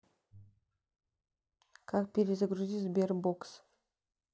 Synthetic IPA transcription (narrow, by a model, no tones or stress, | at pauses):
kʰak̚pʲeɾʲesɪɡɾuzʲizberboks